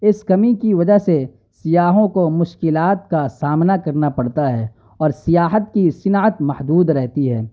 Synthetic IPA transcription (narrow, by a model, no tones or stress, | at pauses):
ɪskɐmikiʋɐd͡ʒəɦse | sɪjaːɦõkomʊʃkɪlaːt̪̚kasaːmnakɐɾnapɐɽt̪aɦɛː | ɔːɾsɪjaːɦət̪kisɪnaːət̪mɐhd̪uːd̪ɾɛɦt̪iɦɛː